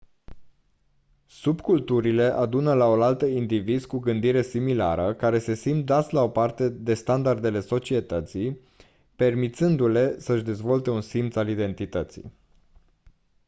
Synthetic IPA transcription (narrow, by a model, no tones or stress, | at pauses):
subkult̪uɾile̞ʔad̪unəlao̞lalt̪əind̪ivizkuɡɨnd̪iɾe̞simila̰ɾəkaɾe̞se̞simt̪̚d̪at̪sʲlao̞part̪e̞d̪e̞st̪and̪ard̪e̞le̞so̞t͡ʃie̞t̪ət̪sij | pe̞rmit̪sɨnd̪ule̞səɨʃd̪e̞zvo̞lt̪e̞unsimt̪alid̪e̞nt̪it̪ət̪sḭ